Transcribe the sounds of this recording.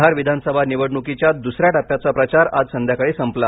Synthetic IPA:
aɾʋid̪ʱansəbʱaniʋəɽɳukit͡ɕjat̪̚d̪usɾjaʈapjat͡sapɾət͡ɕaɾad͡zsənd̪ʱjakəɭesəmpla

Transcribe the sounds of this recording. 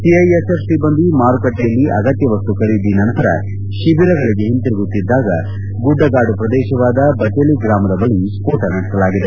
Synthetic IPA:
ʈiɐjesesʈibɐnd̪imaːɾukɐʈːijɐlːiʔɐɡɐt̪jɐʋɐst̪ukɐɽid̪inɐnt̪ɐɾɐ̰ | ʃibiɾɐɡɐɭiɡeɦint̪iɾiɡut̪ːid̪ːaːɡɐ̰ | ɡuɖːɐɡaːɖupɾɐd̪ɛːʃɐʋaːd̪ɐbɐt͡ʃeliɡɾaːmɐd̪ɐbɐɭiskoːʈɐnɐɽisɐlaːɡid̪e

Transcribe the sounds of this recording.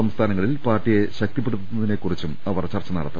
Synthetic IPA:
ɐmst̪ʰaːnɐŋːɐɭilpaːrʈːije̞ɕɐk̚t̪ip̬ːeɽut̪ːunːɐðine̞ːkːurit͡ɕːumɐʋɐrt͡ɕɐrt͡ɕːɐnɐ̰ɽɐt̪ːɐ

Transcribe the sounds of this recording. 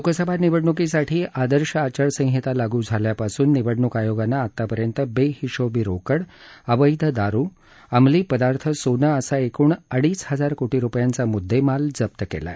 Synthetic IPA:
lokəsəbʱaniʋəɽɳukisaʈʰiːʔad̪əɾɕəat͡ɕəɾsə̃ŋ̃ɦit̪alaɡũːd͡zʱaljapasuːnːiʋəɽɳukajoɡanːaːt̪ːapəɾjənt̪əbehiɕobiɾokəɽəʋəjd̪ʱəd̪aɾuː | amliːpəd̪aɾt̪ʰəsonəəsaekuːɳəɽiːsɦəd͡zaɾkoʈiɾupjant͡samud̪ʱːemald͡zəp̚t̪əkḛla̰

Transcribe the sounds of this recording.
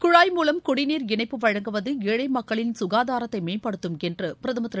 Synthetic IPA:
kʊɻaːjmuːlɐmkʊɽɪniːɾɪɳɐɪpːɯʋɐɻɐŋɡɯʋɐðɯeːɻɐɪmɐkːɐɭɪnsʊɣaːðaːɾɐt̪ːɐɪmeːpɐɽɯt̪ːɯmɛndrɯpɪɾɐðɯmɐt̪ːɾ

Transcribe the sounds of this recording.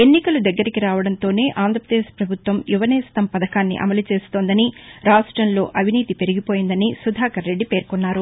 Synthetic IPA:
e̞nːikɐlud̪ɐɡːɐɾikiɾaːʋɐɽɐnt̪o̞ːne̞ːʔaːnd̪ɾɐpɾɐd̪eːʂpɾɐbʱut̪ʋɐmjuʋɐnɛːst̪ɐmpɐd̪ɐkaːnːḭʔɐ̰mɐlut͡ʃe̞ːst̪oːnd̪ɐniɾaːʂʈɾɐnlo̞ːʔɐʋʱiniːt̪ipe̞ɾiɡipoːjind̪ɐnisud̪ʱaːkɐɾːe̞ɖːipe̞ːɾkɔnːaːɾu

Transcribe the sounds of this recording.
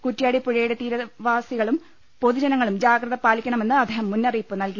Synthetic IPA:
kutːijaːɽipuɻɐjeɽet̪iːɾɐʋaːsiɣɐɭum | po̞ðud͡ʑɐnɐŋːɐɭumd͡ʑaːɡrɐðɐpaːlikʲːɐɳɐme̞nːɨɐd̪ːeːhɐmːunːɐriːpːɨnɐlki

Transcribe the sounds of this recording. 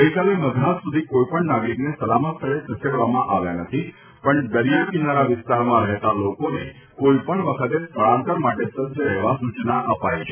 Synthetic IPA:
ɡəɦikaleməd̪ʱɾat̪sud̪ʱikoipəɳnaɡɾiknesəlamət̪t̪ʰəɭesəseɽʋamã̰ʔaʋjanət̪ʰi | pəɳɖəlijapinaɾaʋɪst̪aɾmãɾəɦt̪alokonḛ | koipəɳʋəkʰət̪esʋəɭãnt̪əɾmaʈesədd͡ʒəɾəɦʋasut͡ʃnaʔəpajt͡ʃʰe

